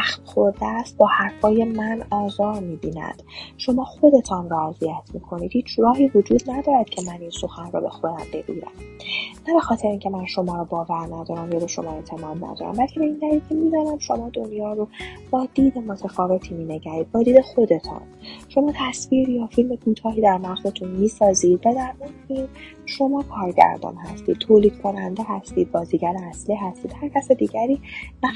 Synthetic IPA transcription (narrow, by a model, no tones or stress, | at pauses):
æxmxo̞ɾd̪eæst̪̚bɒːhæɾfɒːje̞mænɒːzɒːɾmiːbiːnæ̰d̪̥ʃo̞mɒːxo̞d̪e̞t̪ʰɒːnrɔæzijæt̪ʰmiːkʰo̞niːd̪̥hiːt͡ʃʰɾɒːɦiːvo̞d͡ʒuːd̪̥næd̪ɒːɾæd̪̥cʰe̞mæninso̞xænrɔ̰ːbe̞̰xod̪æmbe̞bḭːɾæ̰mnæbe̞xɒːt̪ʰeɾeiŋcʰemænʃo̞mɒːɾɔːbɒːvæɾnæd̪ɒːɾæmjɒːbeʃo̞̰mɒːe̞t̪ʰe̞mɒːd̪næ̰d̪ɒ̰ːɾæ̰mbælcʰe̞be̞ind̪æɾiːlkʰemiːd̪ɒːnæmʃo̞mɒːd̪o̞njɒːɾob̥ɒːd̪iːd̪emo̞t̪ʰefɒːve̞t̪ʰiːmiːne̞ɟæɾiːd̪̥̚bɒːd̪iːd̪exod̪e̞t̪ʰɑ̰n | ʃo̞mɒːt̪ʰæsviːɾjɒːfilmekʰuːt̪ʰɒːɦiːd̪æɾnæʁzet̪ʰunmiːsɒːziːd̪̥væd̪æɾminfilm | ʃo̞mɒːkʰɒːɾɟæ̰ɾd̪ɒ̰ːnhæst̪iːd̪̚t̪ʰːoːliːd̪̥̚kʰo̞nænd̪eɦæst̪ḭːd̪̚bɒːziːɟæɾeæsliːɦæst̪iːd̪hæɾcʰæsed̪iːɟæɾiːmæ